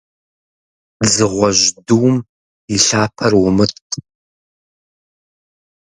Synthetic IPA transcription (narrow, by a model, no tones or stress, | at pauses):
zɨʁʷɔʒduwm | iɬaːpʰɐrwʊmɨtʰ